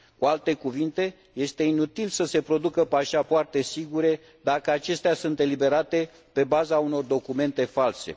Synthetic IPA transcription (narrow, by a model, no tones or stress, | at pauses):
kualt̪e̞kuvint̪e̞ | je̞st̪e̞inut̪ilsəse̞pɾo̞d̪ukəpaʃapoart̪e̞siɡuɾe̞ | d̪akəat͡ʃe̞st̪easunt̪e̞libe̞ɾat̪e̞ | pe̞bazauno̞rd̪o̞kume̞nt̪e̞false̞̰